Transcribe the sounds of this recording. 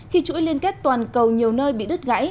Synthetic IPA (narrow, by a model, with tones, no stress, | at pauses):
xi˧t͡ɕṵ˧˥jli˧ənkɛ˦˥t̚t̪waː˨˩nkə˨˩wɲi˨˩əwnəː˧jɓḭ˧˨ɗɨ˦˥t̚ɣa̰˧˥j